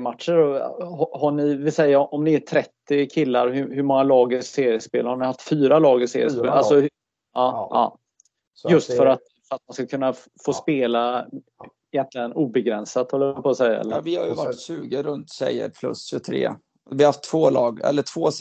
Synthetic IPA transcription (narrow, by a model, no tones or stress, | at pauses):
mat̪ʂəɔhhaɳɪvɪsɛjːəɾɔʔɔmnɪæʈʰɾɛt̪ːɪkʰɪlːa̰ɾɦʉhɵmɔŋːalɑːɡɪseːɾɪəspḛːlhaɳɪhaft̪fyːɾalɑːɡɪsḛːɾjəsppḛlʔalsɔh | ɑːɑ̰ː | jɵst̪fœɾat̪̚ | fœɾat̪̚manskakʰɵnːa | foːspeːla | ɛjɛnt̪lɪɡənuːbɛɡɾɛnsat̪hɔlːapɔːsɛja̰ɛlːvɪha̰jvaʈːɕʉːɡəɾɵnt̪ɕɛ̰jːə̰ɾpʰlɵ̰sɕɵt̪ʰɾḛː | vɪahaft̪ʰːvoːlɑːɡɛ̰lːəʈʰv̥oː